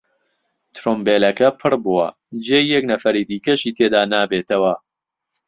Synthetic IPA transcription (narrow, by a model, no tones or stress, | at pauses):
t̪ʰɾombeːlɐkɐpʰɨɾbuwɐ̰ | d͡ʒejjɛknɐfɐɾid̪iːkɐʃiːt̪ʰeːd̪aːnaːbeːt̪ʰɐwɐ